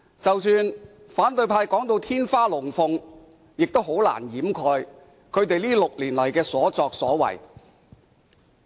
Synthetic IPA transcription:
t͡sɐ˨wsyː˧n | faː˨˥nt̪ɵ˧ɥpʰaː˧jkɔː˨˥ŋt̪o˧wt̪ʰiː˥nfaː˥lʊ˨˩ŋfʊ˧ŋ | jɪ˨k̚t̪o˥wɦo˨˥wla̰ː˨˩njiː˨˥mkʰɔː˧j | kʰɵ˨˧ɥt̪e˨jliː˥lʊ˨k̚liː˨˩nlɐ˨˩jkɛː˧sɔː˨˥t͡sɔː˧k̚sɔː˨˥wɐ̰˨˩j

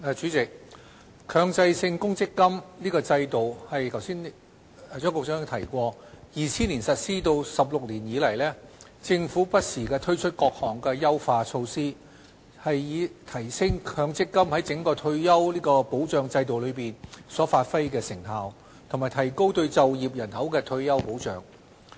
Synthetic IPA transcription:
ɛ˨˧t͡ʃyː˨˥t͡sɪ˨k̚ | kʰœː˧ŋt͡sɐ˧jsɪ˧ŋkʊ˥ŋt͡sɪ˥kːɐ˥mliː˥kɔː˧t͡sɐ˧jt̪o˨whɐ˨jkʰɐ˨˩wsiː˥n˧ | t͡ʃœː˥ŋkɔː˧k̚ːŋ˧t̪ʰɐ˨˩jkʷɔː˧jiː˨˧t͡sʰiː˥nliː˨˩nsɐ˨t̚siː˥t̪o˧wsɐ˨p̬̚lʊ˨k̚liː˨˩njiː˨˥lɐ˨˩jlɛː˥ | t͡sɪ˧ŋfuː˨˥pɐ˥t̚siː˨˩kɛː˧t̪ʰɵ˥ɥt͡ʃʰɵ˥t̚kɔː˧k̚hɔː˨˩ŋkɛː˧jɐ˥wfaː˧t͡ʃʰo˧wsiː˥ | hɐ˨jːiː˨˧t̪ʰɐ˨˩jsɪ˥ŋkʰœː˨˧ŋt͡sɪ˥kːɐ˥mhɐ˨˥jt͡sɪ˨˥ŋkɔː˧t̪ʰɵ˧ɥjɐ˥wliː˥kɔː˧po˨˥wt͡ʃœː˨˧ŋt͡sɐ˧jt̪o˨wlɵ˨˧ɥpiː˨nsɔː˨˥faː˧t̚fa˥jkɛː˧sɪ˨˩ŋɦaː˨w | t̪ʰo˨˩maː˨˩jt̪ʰɐ˨˩jko˥wt̪ɵ˧ɥt͡sɐ˨wjiː˨p̚jɐ˨˩nhɐ˨˥wkɛː˧t̪ʰɵ˧ɥjɐ˥wpo˨˥wt͡ʃœː˨˧ŋ

